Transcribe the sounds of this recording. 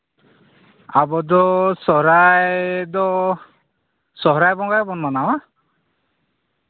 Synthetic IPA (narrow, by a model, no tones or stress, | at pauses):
abɔd̪ɔsɔɾajd̪ɔ | sɔɦɾajbɔŋɡajbɔnmɔnawa